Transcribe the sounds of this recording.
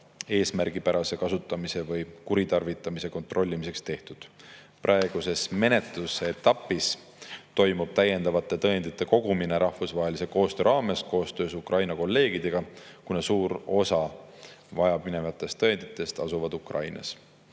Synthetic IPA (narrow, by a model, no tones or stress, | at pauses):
e̞ːsmærɡ̥ipæɾɑse̞kɑsut̪ːˑɑmise̞vɯjkuɾit̪ɑrvit̪ːˑɑmise̞ko̞nt̪ro̞lʲːimis̬e̞kst̪e̞ht̪ud̪̥ | pɾʔɑe̞ɡ̥use̞sme̞ne̞t̪luseet̪ːˑɑpːˑis | t̪o̞jmub̥̚t̪æje̞nd̪ɑvɑt̪ːˑe̞t̪ɤend̪̥it̪ːˑe̞ko̞ɡ̥umine̞ɾɑhfusvɑːɦe̞lise̞ko̞ːst̪ø̞ːɾʔɑːme̞sko̞ːst̪ø̞ːsukrɑjnɑko̞lːe̞ːɡ̥id̪̥e̞ɡ̥ɑkunesuːɾo̞sɑ | vɑjɑbmine̞vɑt̪ːˑe̞st̪ːɤend̪̥it̪ːˑe̞st̪ɑsuvɑd̪ukrɑ̰jnɑ̰s